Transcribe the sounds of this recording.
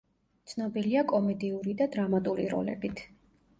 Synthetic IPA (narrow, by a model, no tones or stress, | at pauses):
t̪sʰnɔbiliakʼɔmɛd̪iuɾid̪ad̪ɾamat̪ʼuɾiɾɔ̰lɛ̰bit̪ʰ